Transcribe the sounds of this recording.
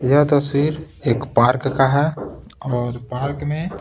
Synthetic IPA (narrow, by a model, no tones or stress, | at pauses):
jəɦt̪əswiːɾ | eːkpaːɾkːaɦɛ | ɔːɾpaːɾkmẽ